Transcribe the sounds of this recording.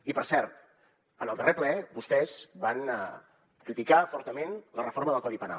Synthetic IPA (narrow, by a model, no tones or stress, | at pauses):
ipəɾsɛɾt̪ | ənəlˠd̪ərʔeplɛbust̪ɛzbanə | kɾit̪ikafɔɾt̪əmenlərəfoɾməðəlˠkɔðipəna̰l